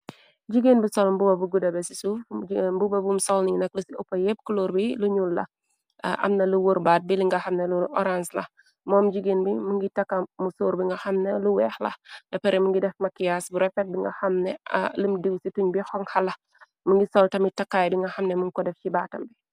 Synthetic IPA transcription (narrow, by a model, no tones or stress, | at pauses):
d͡ʒiɡenbisɔlmbubɐbuɡudɐbɛsisufmbubɐbumsɔlninɐklusiɔpːɐjep̚kuluːɾbiluɲuːlːɐ̰ | ʔɐ̰mnɐluwoɾbaːt̚biliŋɡɐxɐmnɛluɔ̰ɾanslɐ̰ | mɔːmd͡ʒiɡinbimuŋɡitɐkːɐmusuːɾbiŋɡɐxɐmnɐluwɛːxlɐ̰dɐpɛɾɛmuŋɡidɛfmɐkːijasbuɾɛfɛt̚biŋɡɐ̰xɐmnɛ̰ləmdiwsituɲbixɔŋhɐlɐ | muŋɡisɔltɐmɡitɐkːaːjbiŋɡɐxɐmnɛmuŋkɔdɛft͡ʃibaːtɐmbi